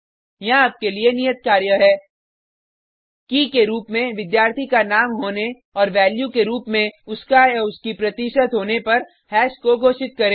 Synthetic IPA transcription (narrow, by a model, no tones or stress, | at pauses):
jɐɦaːp̚kelienijət̪̚kaːɾjəɦɛː | kikeɾuːpmẽʋɪd̪jaːɾt̪ʰikanaːmɦoːne | ɔːɾʋɛːljukeɾuːpmẽʊskajʊskipɾɐt̪iʃət̪ɦoːnepɐɾ | hɛːʃkoɡʱoːʃɪt̪̚kɐɾẽː